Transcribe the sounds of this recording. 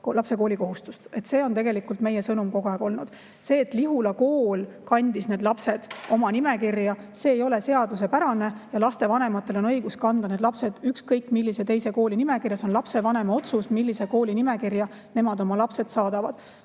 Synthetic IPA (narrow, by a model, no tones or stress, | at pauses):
klɑpse̞ko̞ːlʲiko̞ɦust̪u̥st̪e̞t̪se̞ːo̞nt̪e̞ɡe̞likult̪me̞je̞sɤnumko̞ɡ̥oæːɡ̥o̞lnud̪̥ | se̞ːt̪liɦulɑko̞ːlkɑnʲd̪̥isne̞ːd̪lɑpse̞d̪̥o̞mɑnimekirjɑ | se̞ːjo̞le̞se̞ɑd̪use̞pæɾɑne̞jɑlɑst̪e̞vɑne̞mɑt̪ːˑe̞lo̞nɤ̞jɡ̥uskɑnd̪̥ɑne̞d̪lɑpse̞d̪̥ykskɤjkːˑmilːiset̪e̞jse̞ko̞ːlinime̞kirjɑso̞nlɑpse̞vɑne̞mɑo̞t̪susmilːiseko̞ːlinime̞kirjɑ | ne̞mɑd̪o̞mɑlɑpse̞d̪̥sɑːd̪ɑvɑd̪̥